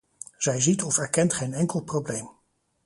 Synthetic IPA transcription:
z̥ɛjzitɔfɛɹkɛntχejnɛŋkəlˠprowblejm

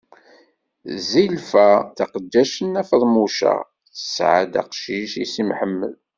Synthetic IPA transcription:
zilfæθɑqəd̪ːæʃənːæfəðˤmuʃæ̰ | θə̥sʕə̰d̪æ̰qʃiʃisimħəmːə̰l

